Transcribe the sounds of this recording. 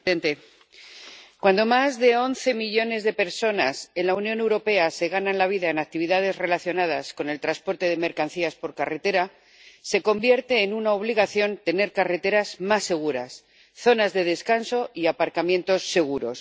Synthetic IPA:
ent̪e | kwand̪o̞mazðe̞o̞nθe̞miʎo̞ne̞zðe̞pe̞ɾso̞nase̞nlaunjone̞wɾo̞pe̞ase̞ɣ̞ananlaβ̞iðaenak̚t̪iβ̞iðað̞e̞zre̞laθjo̞nað̞asko̞ne̞lt̪ɾaspo̞ɾt̪e̞ðe̞me̞ɾkan̟θiaspo̞ɾkare̞t̪e̞ɾaː | e̞ko̞mbje̞ɾt̪e̞ːnunao̞β̞liɣaθjo̞nt̪e̞ne̞ɾkare̞t̪e̞ɾazmasːe̞ɣ̞uɾa̰s | θo̞nazðe̞ð̞e̞skanso̞iapaɾkamje̞nt̪o̞sːe̞ɣ̞uɾo̞̰s

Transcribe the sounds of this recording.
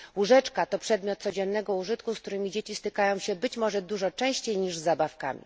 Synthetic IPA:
uʐɛt͡ʂkat̪ɔpʂɛd̪mʲjɔt̪̚sɔd͡ʑɛnːɛɡɔuʐɘt̪kusk̚t̪uɾɘmʲid͡ʑet͡ɕist̪ɘkajɔ̃w̃ɕɛbɘt͡ɕmɔʐɛd̪uʐɔt͡ʂɛ̃w̃ɕt͡ɕejɲiʐzːabafka̰mʲḭ

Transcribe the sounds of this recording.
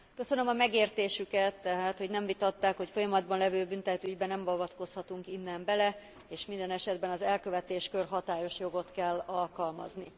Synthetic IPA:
kø̞sø̞nømɒmɛɡeːrt̪eːʃykɛt̪ːɛɦaːt̪ho̞ɟnɛɱvit̪ɒt̪ːaːkho̞cfo̞jɒmɒd̪̚bɒnlɛvøːbynt̪ɛt̪yɟbɛnɛmvɒvɒt̪ko̞shɒt̪uŋkinːɛmbɛlɛ | eːʃmind̪ɛnɛʃɛd̪bɛnɒzɛlkø̞vɛt̪eːʃkørɦɒt̪aːjo̞ʃjo̞ɡo̞t̪kɛlːɒlkɒlmɒ̰zni

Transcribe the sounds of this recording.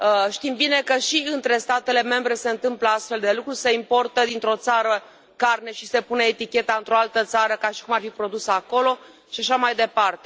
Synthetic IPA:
əʃt̪imbine̞kəʃiɨnt̪ɾe̞st̪at̪e̞le̞me̞mbɾe̞se̞ɨnt̪ɨmpləast̪fe̞ld̪e̞lukɾuse̞impo̞rt̪əd̪int̪ɾo̞t̪saɾə | karne̞ʃise̞pune̞ːt̪ikʲe̞t̪aɨnt̪ɾo̞alt̪ət̪saɾəkaʃi̥kumarfipɾo̞d̪usəako̞lo̞ | ʃiaʃamajd̪e̞part̪e

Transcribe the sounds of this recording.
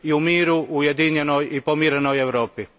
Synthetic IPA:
iumiːɾuujed̪iɲenojipomiɾenojevɾoːpi

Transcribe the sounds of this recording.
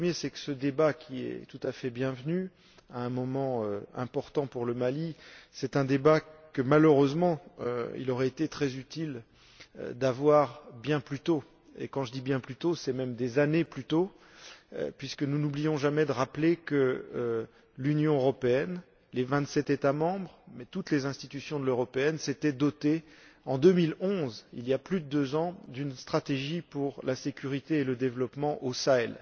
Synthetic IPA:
pχəmjesɛkə̥səd̪ebakʲʰiɛ̰t̪ut̪afɛbjɛ̃vny | aɛ̃mɔmɑ̃øɛ̰̃pɔʁt̪ɑ̃puʁləmalisɛt̪ɛ̃d̪ebakəmaløʁøzmɑ̃ø̰ḭlɔʁɛet̪et̪χɛzyt̪il | ø̰d̪avwaʁbjɛ̃plyt̪o | ḛkɑ̃ʒəd̪ibjɛ̃plyt̪osɛmɛmd̪ezaneplyt̪o̰ | pɥiskənunublijɔ̃ʒamɛd̪əʁaplekə | lynjɔ̃øʁɔpeɛn | levɛ̃t̪sɛt̪et̪amɑ̃bʁmɛt̪ut̪lezɛ̃st̪it̪ysjɔ̃d̪əløʁɔpeɛnset̪ɛd̪ɔt̪eɑ̃d̪ømilɔ̃zḭliaplyd̪əd̪øzɑ̃d̪ynst̪χat̪eʒipuʁlasekʲyʁit̪eːləd̪evlɔpmɑ̃ʔosaɛl

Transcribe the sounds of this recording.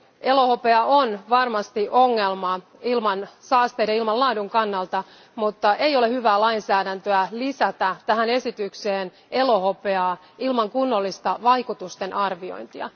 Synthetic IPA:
e̞lo̞ho̞peɑonʋɑrmɑst̪iʔo̞ŋːe̞lmɑ | ilmɑnsɑːst̪eːdɑilmɑllɑːduŋkɑnːɑlt̪ɑ | mut̪ːɑʔe̞jo̞le̞hyʋæːlɑinsæːdænt̪øælisæt̪æt̪æɦæne̞sit̪ykseːn | e̞lo̞ho̞peɑː | ilmɑŋkunːolːist̪ɑʋɑjkut̪ust̪e̞nʔɑrʋio̰jnt̪iɑ̰

